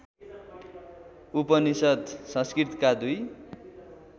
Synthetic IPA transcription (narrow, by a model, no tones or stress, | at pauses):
upʌnisʌd̪sʌ̃skrit̪kad̪uj